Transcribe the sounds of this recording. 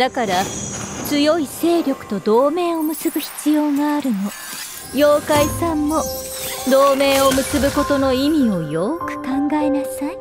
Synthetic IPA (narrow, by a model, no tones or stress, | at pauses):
d̪̥akaɾat͡sɨjo̞ise̞ːɾʲjo̞kɯ̟̥t̪o̞d̪o̞ːme̞ːo̞mɯ̟sɨbɯ̟çi̥t͡sɨjo̞ːŋaːɾɯ̟no̞ | joːkaisãmːo̞d̪o̞ːme̞ːo̞mɯ̟sɨbɯ̟ko̞t̪o̞no̞imʲio̞jo̞ːkɯ̟̥kãŋɡaenasai